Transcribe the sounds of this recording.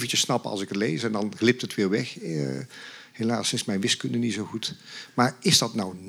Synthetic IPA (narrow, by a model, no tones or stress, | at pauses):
vəncəsːnɑpəɑ̰lˠsɪkətlejsɛndɑnɣlɪp̚tətʋɪːɹʋɛx | hela̰ːsɪnsmɛjnʋɪskɵndənitzowχutmaːɹɪzdɑtnʌwn